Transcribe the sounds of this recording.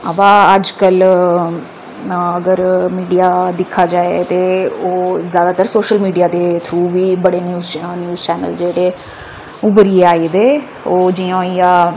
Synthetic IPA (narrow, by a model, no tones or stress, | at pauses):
əbãːəd͡ʒkəl | əɡəɾmiːɖijaːd̪ɪkʰːaːd͡ʒaːḛt̪eːoːzjaːd̪aːt̪əɾsoːʃəlmiːɖijaːd̪eːt̪ʰuːʋiːbəɽeːnjuːznjuːzt͡ʃɛːnə̰ld͡ʒeːɽeː | ʊbəɾiːeaːiːd̪eː | oːd͡ʒiãːiːaː